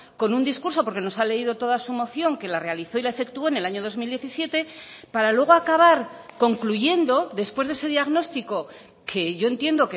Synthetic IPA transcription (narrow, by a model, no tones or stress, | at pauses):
ko̞nund̪iskuɾs̬o̞poɾke̞no̞sale̞iðo̞t̪o̞ðasumo̞θjo̞ŋke̞lare̞aliθo̞ilae̞fe̞kt̪uo̞ene̞laɲo̞ð̞o̞zmild̪je̞θisje̞t̪e̞paɾalwe̞ɣ̞o̞akaβaɾko̞ŋkluʝe̞nd̪o̞ðe̞spwe̞zðese̞ðiaɣno̞st̪iko̞ | kʰe̞ʝo̞e̞nt̪je̞nd̪o̞ke